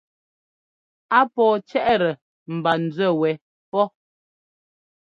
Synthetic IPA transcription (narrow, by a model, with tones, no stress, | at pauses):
a˦pɔː˨t͡ʃɛ˦ʔɾə˨ | m̩˨ba˨n̩˨d͡zɛ˦˨wɛ˨˦ | pɔ˦